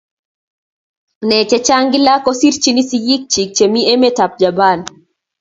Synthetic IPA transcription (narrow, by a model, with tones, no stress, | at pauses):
nɛ˨t͡ʃɛ˦t͡ʃa˦ŋɡɪ˦la˦kɔ˦si˦ɾt͡ʃi˦ni˦siji˦k̚t͡ʃi˨k̚t͡ʃe˨mi˦e˦me˦ta˨p̚d͡ʒa˨ba˦˨n